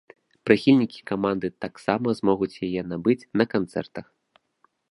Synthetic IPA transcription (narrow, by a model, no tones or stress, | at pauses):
pɾɨxʲilʲnʲikʲi̥kamand̪ɨt̪aksamɐzmɔɣut͡sʲjajɛnabɨt͡sʲnɐkant̪sɛ̰rt̪ɐx